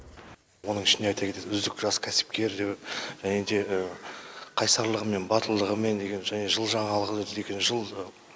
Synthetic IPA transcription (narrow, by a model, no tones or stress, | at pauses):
wo̞nəɴɪʃɪnd̪eɑjt̪ɑkʲe̞t̪eʏzd̪ɪkʒɑskʲʰæsɪ̥p̚kʲe̞ɾd̪ewʒæne̞d̪e̞ʔə | qʰɑjsɑɾlˠəʁəme̞nbɑt̪əlˠd̪əʁəme̞nd̪e̞ɡʲe̞nʒæne̞ʒəlˠʒɑɴɑlˠəʁəd̪əd̪e̞ɡʲe̞nʒəlˠə